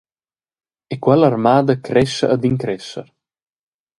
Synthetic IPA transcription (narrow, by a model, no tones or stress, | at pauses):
ekwalarmaːd̪akɾɛʃa̰ːd̪iŋkɾɛʃa̰ɾ